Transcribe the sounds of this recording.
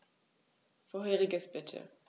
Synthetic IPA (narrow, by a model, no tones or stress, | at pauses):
foːɐɦeːʁɪɡəsb̥ɪtʰə̰